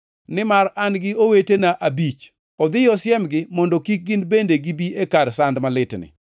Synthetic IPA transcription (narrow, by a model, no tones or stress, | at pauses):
nɪmaranɡɪowetenaʔabit͡ʃ | ɔd̪ɪjɔsjɛmɡɪmɔndɔkik̚ɡɪnbendeɡibiekaɾsandmalɪtnɪ̰